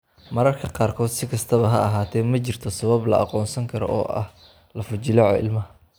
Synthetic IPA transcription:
mɐɾɐrkʰɐqɑːrkʰɔːd̪sɪkʰɐst̪ʰɐβɐɦɐɐɦaːt̪ʰɛjmɐt͡ʃɪrt̪ʰɔsɐβɐblɐ̰ɑ̰qɔːnsɐŋkʰɐɾɔ̰ʔɔ̰ːʔɐ̰h | lɐfʊt͡ʃɪlɐʕɔɪ̰lmɐɦɐ

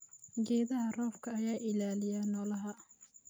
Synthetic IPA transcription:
ɡɛːðɐɦɐrɔːfkʰɐɐjaːʔɪlaːlɪjaːnɔːlɐɦɐ

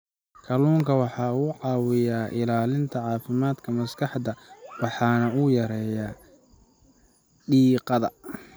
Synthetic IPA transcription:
kʰɐluːŋkʰɐwɑħɑːuːʕɑːwɪjaːʔɪlaːlɪnt̪ʰɐʕɑːfɪmaːd̪kʰɐmɐskʰɑħd̪ɐwɑħɑːnɐʊjɐɾɛːjaː | ɖiːqɑðɐ

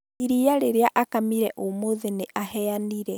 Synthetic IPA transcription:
iɾiaɾeɾeaʔakamiɾɛʔomoðeneʔahɛaniɾɛ

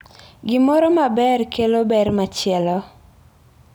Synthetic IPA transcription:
ɡɪmɔɾɔmabɛrkʰelobɛrmat͡ʃɪɛlɔ

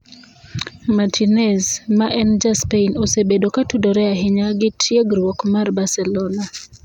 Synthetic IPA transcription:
matʰinɛzmaʔɛnd͡ʒaspeinɔsebedokatudɔɾɛaɦɪɲaɡɪtʰjeɡɾwɔkmarbasɛlɔna

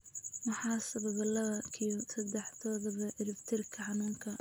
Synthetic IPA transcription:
mʊħɑːsɐβɐβɐlɐβɐkʰisɐd̪ɛħt̪ʰɔːðɐβɐʔɪɾɪft̪ʰɪrkʰɐʕɑnɐːŋkʰɐ

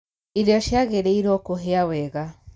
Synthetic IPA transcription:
iɾjɔʃjaɣeɾeiɾɔkoɦeawɛɣa

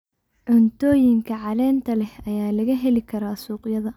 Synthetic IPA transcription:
ʕʊnt̪ʰɔːjɪŋkʰɐʕɑlɛːnt̪ʰɐlɛhɐjaːlɐɣɐɦɛlɪkʰɐɾaːsuːqjɐðɐ

